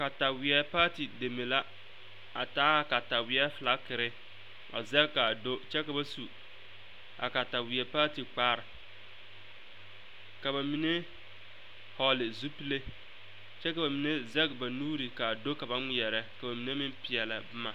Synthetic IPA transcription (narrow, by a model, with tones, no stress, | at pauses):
ka˨ta˨wɪ˨ɛ˦paː˦ti˨de˨me˨la˦ | a˨taː˦ka˨ta˨wɪ˦ɛ˦fla˦kɪ˨ɾɪ˦ | ba̰˨zɛ˦ka˨do˦t͡ʃɛ˦ka˨ba˦su˨ | a̰˨ka˨ta˨wɪ˨ɛ˨˦paː˦ti˨k͡paː˦ɾɪ˨ | ka˨ba˨mi˨ne˦ | hɔ˨lɪ˨zu˦pi˦le˦ | t͡ʃɛ˦ka˨ba˨mi˨ne˦zɛ˦kba˨nuː˦ɾi˨ka˨do˦ka˨ba˦ŋi˦jɛ˨ɾɛ˦ka˨ba˨mi˨ne˦mɪ˦mpɪ˨ɛ˨la˨bʊ˦ma˨